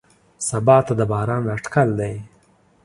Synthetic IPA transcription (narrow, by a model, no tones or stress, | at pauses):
sabɑt̪ad̪əbɑːɾɑnaʈkald̪aj